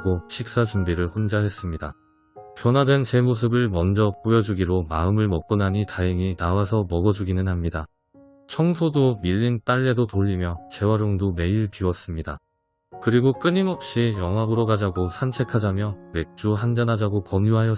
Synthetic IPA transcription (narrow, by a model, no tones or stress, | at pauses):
ɡoɕʰik̚s͈ad͡ʑumbiɾɯɭɸond͡ʑaɦe̞s͈ɯmɲida̰ | pjʌnwadwent͡ɕe̞mos̬ʰɯbɯɭmʌnd͡ʑʌkojʌd͡ʑuɡiɾomaɯmɯɭmʌk̚k͈ɯnɦaɲitaɯŋinawas̬ʰʌmʌɡʌd͡ʑuɡinɯnhamɲida | t͡ɕʰʌŋsʰodomiʎːint͈aʎːe̞dotoʎːimjʌt͡ɕe̞waɾoŋdome̞iɭpiwʌs͈ɯmɲida̰ | kɯɾiɡok͈ɯɲimʌp̚ɕ͈ijʌŋɦabɯɾoɡad͡ʑaɡosʰant͡ɕʰe̞kʰad͡ʑamjʌwe̞k̚t͡ɕ͈uɦand͡ʑanad͡ʑaɡokʌmuɦajʌ